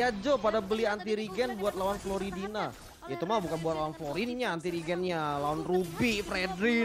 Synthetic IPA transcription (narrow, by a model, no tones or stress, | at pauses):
ad͡ʒopadabəliant̪iɾiɡɛnbuat̪̚lawanfloɾidina | jait̪umabukanbuat̪lawanfloɾiniɲaːnt̪iɾiɡɛnɲalawanrubifɾedɾɪ